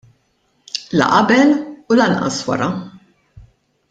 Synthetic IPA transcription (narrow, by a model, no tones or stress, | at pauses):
lɐ̰ʔɐbɛlulɐnʔɐ̰swɐ̰ɾɐ